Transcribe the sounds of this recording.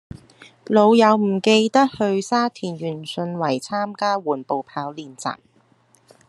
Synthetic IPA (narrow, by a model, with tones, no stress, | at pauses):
lo˨˧wjɐ˨˧wm̩˨˩ke˧jt̪ɐ˥k̚hɵ˧ɥsaː˥t̪ʰiː˨˩njyː˨˩nsɵ˧nwɐ˨˩jt͡sʰaː˥mkaː˥wuː˨˩npo˨˧wpʰaː˨˥wliː˨nt͡sa̰ː˨˩m